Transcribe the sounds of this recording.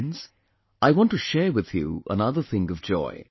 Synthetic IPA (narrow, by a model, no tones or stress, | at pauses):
nz̥ | ʔaɪwɑ̃ntɨʃɛɹwɨð̥jṵʔə̰nʌðə˞θɪ̃ŋʌvd͡ʒɔ̰ɪ